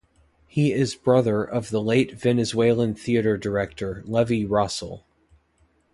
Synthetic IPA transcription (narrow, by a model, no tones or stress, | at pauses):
hiɪzbɹʌðə˞ʔʌvðəleɪtv̥ɛnɨzweɪlˠə̃nθiɨɾə˞də˞ɛk̚tʰə˞lɛviɹʌsl̩ˠ